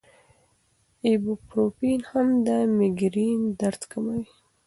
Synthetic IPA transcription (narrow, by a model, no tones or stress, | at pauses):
ebupɾopinhamd̪əmɪɡɾind̪aɾt̪kamawi